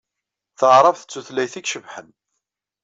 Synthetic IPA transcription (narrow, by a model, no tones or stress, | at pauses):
θəʁɾˤəvθə̥t͡sːuθlæjθiɡʃəvħən